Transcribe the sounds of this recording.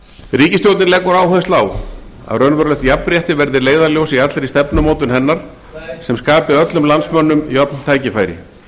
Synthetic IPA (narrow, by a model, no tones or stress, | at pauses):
riːcɪst̪jowt̪nɪnlɛːkːʏɾaːwhœðɪst̪laːwa̰rœnvœɾlɛt̪japnɾjɛht̪ɪvɛɾðɪleːjðaɾljowsiat̪lɪɾist̪ɛpnʏmoːwt̪ʏnɦɛnːaɾ̥ | sɛmskaːpɪœt̪lʏmlansmœnːʏmiɔpnt̪ʰaːjcɪfaːjɾɪ̰